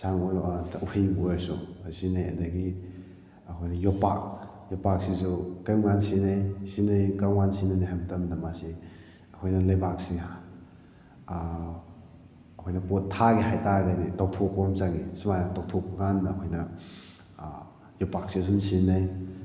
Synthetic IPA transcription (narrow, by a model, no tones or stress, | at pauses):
saŋoɾupʰejbueɾsuasinajɐ̰daɡi | ɐkʰojnɐjɔpa̰k̚ | jɔpak̚sisukajwŋansinajsinajkɾawŋansinanaɦajbtɐmdɐmasi | ɐkʰojnɐlɐjbak̚sia | ɐkʰojnɐpotʰːaɡiɦajtadaditaw̚tʰok̚pɐmt͡ʃaŋisimajnataw̚tʰok̚pɐɡanɐkʰojnɐ | jɔpak̚siɐs̬umsinaj